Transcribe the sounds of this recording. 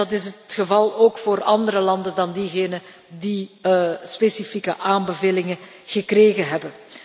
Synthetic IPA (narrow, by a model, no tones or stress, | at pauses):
ɑtɪsətxəvɑlˠoːkfoːrɑndəɾəlɑndəndɑndiɣeːnə | di | spesifikə̰ʔaːmbəveːlɪŋə | ɣəkreːɣəɦɛbən